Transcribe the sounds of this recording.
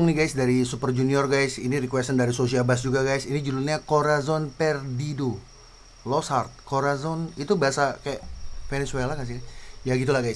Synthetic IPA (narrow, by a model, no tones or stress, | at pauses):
ŋniɡajsdaɾisupərd͡ʒuniɔrɡajsinirikwɛst̪əndaɾisosiabas̬d͡ʒuɡaɡajsinid͡ʒululɲakoɾazɔnpɛrdido | lɔshart̪̚koɾazɔnit̪ubaasakajafenɛswelakas̬ijaɡit̪ulahɡajs